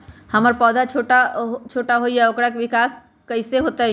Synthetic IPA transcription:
hɐməɾpɔːd̪ʱat͡ʃʰoːʈaɦt͡ʃʰoːʈaɦoijaokɽakeʋɪkaːs | kəɪseɦoːt̪aɦɛ

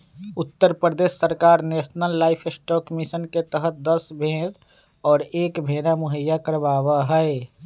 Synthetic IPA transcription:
ʊt̪ːəɾpɾəd̪eːʃsəɾkaːɾneːsnəlːaːɪpʰɪsʈɔːkmɪsənket̪əɦət̪̚d̪əsbʱẽːd̪ | ɔːɾeːkbʱeːnamʊɦəjːakəɾbaːwaɦɛ

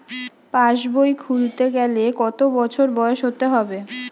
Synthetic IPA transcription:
paʃbojkʰult̪eɡɛlekɔt̪obɔt͡ɕʰoɾbɔoʃɦot̪eɦɔbe

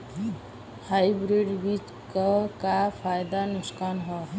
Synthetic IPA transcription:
hajbɾeɖbit͡ʃ | kəkapʰajd̪anʊskaːnɦɔ

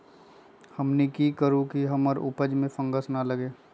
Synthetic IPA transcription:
hɐmnikikəɾũkiɦəməɾʊ̰pəd͡ʒmẽfə̃ŋɡəsnaləɡeː

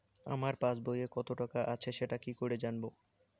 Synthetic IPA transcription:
a̰maɾpasbojekɔt̪oʈakaʔat͡ɕʰeʃeʈakikoɾed͡ʑanbo

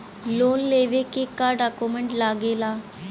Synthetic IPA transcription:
lonleʋekekːaɖakumeɳʈlaɡela

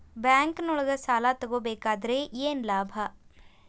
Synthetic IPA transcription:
bɛːŋknoɭɡɐsaːlaːt̪ɐɡoːbeːkaːd̪ɾejeːnlaːbʱa

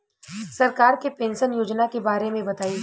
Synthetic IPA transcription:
sɐɾkaːɾkepẽːnʃənjoːd͡ʒnakebaːɾemẽbɐt̪aːi

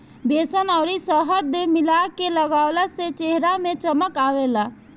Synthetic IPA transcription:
beːsənəʊɾisəɦəd̪emilakeləɡaːwlaset͡ʃeɦɾamẽt͡ʃəməkaːʋela

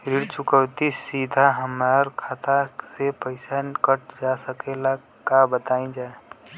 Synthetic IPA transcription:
ɾiɽt͡ʃʊkəwt̪isid̪ʱaɦəmaɾkʰat̪asepəɪsankəʈ̚d͡ʒasəkela | kabət̪aːĩd͡ʒae

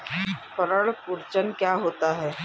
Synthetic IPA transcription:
pəɾəɭpʊɾt͡ʃənkjaɦoːt̪aɦɛː

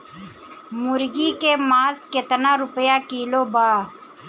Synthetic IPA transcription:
mʊɾɡikemaːsket̪naːɾʊpjaːkiːlobaː

